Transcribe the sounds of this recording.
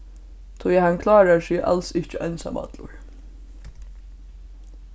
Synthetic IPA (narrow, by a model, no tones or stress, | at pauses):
t̪ʰɔjhaŋkʰlɑːɾaɹsiːʔa̰lsɪht͡ʃəʔœnsa̰ma̰t̪lʊ̰ɹ